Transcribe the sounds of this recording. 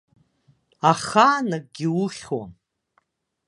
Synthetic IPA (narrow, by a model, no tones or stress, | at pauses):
aχaːnak̚ɡʲiʊχʲwa̰